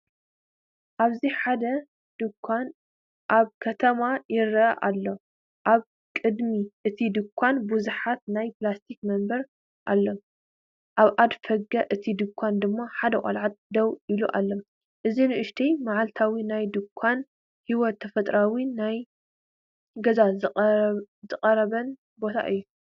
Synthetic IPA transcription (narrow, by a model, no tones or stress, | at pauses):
ʔaβziħad̪ɐ | n | ʔaβkʰɐt̪ʰɐmajɪɾɐʔɐʔalːo | ʔaβ | kʼɨd̪miʔɨt̪ʰid̪ɨkʷʰːanbuzuħat̪̚najplast̪ʰikmɐmbɐɾ | ʔalːo | ʔaβʔad̪fɐɡɐʔɨt̪ʰid̪ɨkʷʰːand̪ɨmːaħad̪ɐkʼɐ̰lʕat̪̚d̪ɐwiluʔa̰lːom | ʔɨzinɨʔɨʃt̪ʰijmaʕalt̪ʰawinajd̪ɨkʷʰːan | hiwɔt̪ʰːɐfɐt̪ʼɾawinaj | ɡɐza | zɨqʼɐɾɐβɐn | bo̞t̪ʰa̰ʔɨjːu